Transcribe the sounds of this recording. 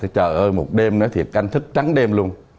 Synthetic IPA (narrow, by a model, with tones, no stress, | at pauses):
t͡ɕə̰ː˧˨˩ʔəː˧jmo˨˩t̚ɗe˧mnɔ˨˦jt̪ʰḭ˨˩əp̚ka˧jŋ̟t̪ʰɨ˦˥k̚t͡ɕa˨˦ŋɗe˧mlu˧ən